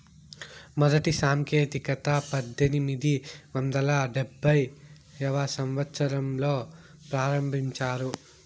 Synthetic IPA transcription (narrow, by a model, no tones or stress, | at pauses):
mɔd̪ɐʈisaːŋkeːt̪ikɐt̪ɐpɐd̪ːenimid̪iʋɐnd̪ɐlɐɖebʱːɐj | ɐʋaːsɐmʋɐt̪sɐɾɐmloː | pɾaːɾɐmbʱiɲt͡ʃaːɾu